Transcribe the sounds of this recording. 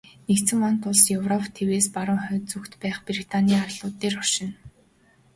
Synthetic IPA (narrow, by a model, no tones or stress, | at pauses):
nekt̪sɘ̆ŋɔnt̪ʊɮsjɵwrɔpʰt̪ʰeweːspaɾʊːŋχœːt͡sukt̪pæːχprit̪ʰaniːarɮʊːt̪ːeːrɔrʃɪ̆n